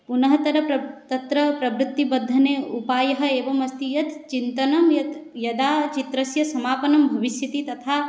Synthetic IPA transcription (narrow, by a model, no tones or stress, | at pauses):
punɐɦɐt̪ɐɾɐpɐt̪ɐt̪ɾɐpɾɐbɾut̪ːibɐd̪ʱːɐneːupaːjɐɦɐeːʋɐmɐst̪ijɐt̪t͡ʃint̪ɐnɐmjɐt̪jɐd̪aːt͡ʃit̪ɾɐsjɐsɐmaːpɐnɐmbʱɐʋiʃjɐt̪it̪ɐt̪ʰaː